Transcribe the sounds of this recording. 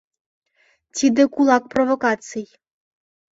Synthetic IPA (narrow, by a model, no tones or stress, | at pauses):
tʲid̪ɘkulˠɑk̚provokɑt̪t͡sɨj